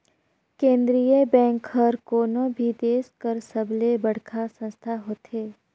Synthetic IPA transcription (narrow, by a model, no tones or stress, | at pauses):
kẽːnd̪ɾijəbɛ̃ːŋkəɾkoːnõbʱid̪eːskəɾsəblebəɽ̤kʰasə̃nst̪ʰaɦoːt̪eː